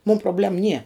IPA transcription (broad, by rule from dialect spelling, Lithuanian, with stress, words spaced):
muːm proːˈbʲlʲɛm nʲiɛ